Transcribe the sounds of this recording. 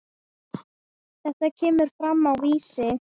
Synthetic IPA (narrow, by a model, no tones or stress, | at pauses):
θɛht̪acʰɛːmʏɾ̥fɾamːawviːsɪ